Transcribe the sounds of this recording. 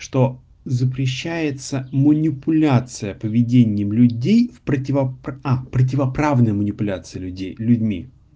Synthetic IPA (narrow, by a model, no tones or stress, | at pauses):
ʂt̪o̞ | zəpɾʲɪɕːæjɪt̪səmənʲɪpʊlʲat̪sɨjəpəvʲɪdʲenʲɪjəmlʲʉdʲejfpɾətʲɪvɐapɾətʲɪvɐpɾavnəjəmənʲɪpʊlʲat̪sɨjəlʲʉdʲejlʲʉdʲmʲḭ